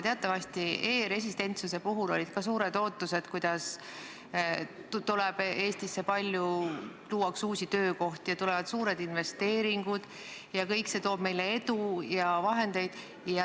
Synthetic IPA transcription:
t̪eɑt̪ːˑɑvɑsʲt̪ieːɾe̞s̬ʲist̪e̞nt̪suse̞puɦulo̞̰lʲid̪̥kɑsuːɾe̞d̪̥o̞ːt̪ˑːuse̞d̪̥kujd̪̥ɑs | t̪ulɛb̥e̞ːst̪isːe̞pɑlʲjuluːɑksuːsʲit̪ø̞ːko̞ht̪ijɑt̪ulɛvɑd̪̥suːɾe̞d̪̥inve̞st̪e̞ːɾiŋɡ̥ud̪̥ | jɑkɤjkse̞t̪o̞ːb̥me̞jle̞e̞d̪ujɑvɑɦe̞nd̪̥e̞jd̪̥ | jɑ

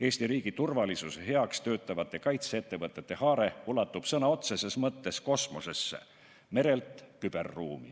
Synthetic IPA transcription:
e̞ːsʲt̪iɾiːɡ̥it̪urvɑlisusehe̞ɑkst̪ø̞ːt̪ːˑɑvɑt̪ːˑe̞kɑjt̪seet̪ːe̞vɤt̪ˑːet̪ːe̞hɑːɾe̞ulɑt̪ːˑub̥sɤnɑo̞t̪sese̞smɤt̪ːe̞sko̞smose̞sːḛ | me̞ɾe̞lt̪kyb̥e̞̰rːuːmḭ

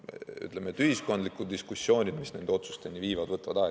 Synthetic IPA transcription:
y̰t̪ˑlemet̪yhisko̞nd̪likˑud̪d̪iskusːjo̞ːnʲid̪misne̞nd̪eo̞t̪su̥st̪enʲiviːvɑd̪vɤt̪ːˑɑvɑd̪̥ɑ

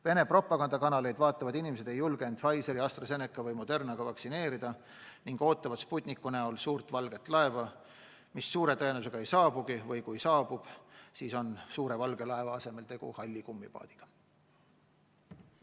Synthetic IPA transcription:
ve̞ne̞pro̞pˑːɑkɑnd̪ɑkɑnɑle̞jd̪vɑːt̪ːˑɑvɑd̪inimese̞d̪̥e̞jːulɡ̥eent̪fɑjse̞ɾiɑst̪rɑse̞nekːˑɑvɤjmo̞d̪̥e̞rnɑɡ̥ɑvɑksine̞ːɾid̪̥ɑ | niŋɡ̥o̞ːt̪ːˑɑvɑsput̪ʲnikːˑuneolsuːrt̪vɑlɡ̥e̞t̪ːˑlɑe̞vɑ | misːuːɾe̞t̪ɤenuse̞ɡ̥ɑe̞jsɑːb̥uɡivɤjkujsɑːb̥ub̥siːso̞nsuːɾe̞vɑlɡe̞lɑe̞vɑɑse̞me̞lt̪e̞ɡ̥ṵhɑlʲːikumːipɑ̰ːd̪̥iɡ̥ɑ̥

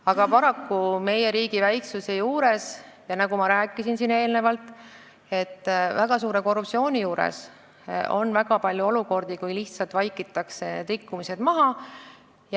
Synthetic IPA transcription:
ɑɡ̥ɑpɑɾɑkːume̞je̞ɾiːɡ̥ivæjksuse̞juːɾe̞s | jɑnɑɡ̥umɑɾæːkˑːisinsine̞ːlne̞vɑlt̪ˑ | e̞t̪ˑːvæɡ̥ɑsuːɾe̞ko̞rːup̚tsio̞ːnʲijuːɾḛs | o̞̰nvæɡɑpɑlʲjuo̞luko̞rd̪̥ikujliht̪sɑlt̪vɑjkːit̪ːˑɑksened̪rikːumise̞d̪̥mɑɦɑ | j

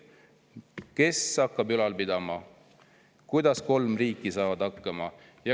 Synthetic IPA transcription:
ke̞sɑkːˑɑbylɑlpid̪̥ɑmɑ | kujd̪̥ɑsko̞lmriːkːˑisɑːvɑd̪̥ɑkːɑmɑ | jɑ

